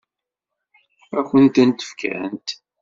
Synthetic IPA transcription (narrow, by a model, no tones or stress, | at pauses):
æçʷənt̪ænt̪ə̥fkʰæ̰nt̪